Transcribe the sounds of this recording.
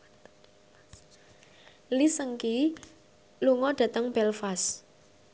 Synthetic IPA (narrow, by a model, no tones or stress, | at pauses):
lisəŋki | luŋɔɖ̥a̤t̪əŋb̥ɛlfas